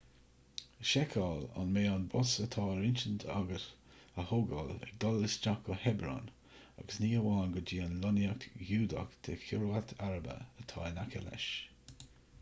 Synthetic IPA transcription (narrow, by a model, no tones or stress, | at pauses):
əʃɛkʰɑːla̰nmeːanbɔsət̪ʰɑːɾɪnt͡ʃənt̪ʰa̰ɡəs | əhoɡɔlɛ̰k̚d̪ɔlːɪsd͡ʒakɔhɛbɾɔ̰n | a̰ɡəsniːəwaːnɡəd͡ʒiːənlɔnjaktjuːd̪a̰kt̪ʰekʰʊɾwat̪ʰaɹəbə̰ət̪ʰɑ̰ːnakʰɛ̰lɛ̰ʃ